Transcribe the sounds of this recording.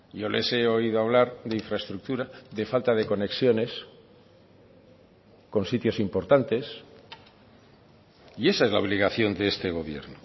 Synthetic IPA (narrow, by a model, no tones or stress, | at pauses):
jo̞lʔese̞o̞ið̞oaβ̞laɾðeiɱfɾaest̪ɾuk̚t̪uɾaðe̞falt̪aðe̞ko̞ne̞ksjo̞ne̞s | ko̞nsit̪jo̞simpo̞ɾt̪ant̪e̞s | ie̞saezlaoβ̞liɣaθjo̞nd̪eest̪e̞ɣ̞o̞β̞je̞̰ɾno